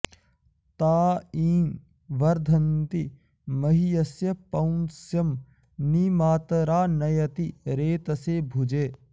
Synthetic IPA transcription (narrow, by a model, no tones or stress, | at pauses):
t̪aːiːn | ʋɐɾd̪ʱɐnt̪i | mɐɦijɐsjɐpɐwnsjɐm | nimaːt̪ɐɾaːnɐjɐt̪iɾeːt̪ɐseːbʱud͡ʒeː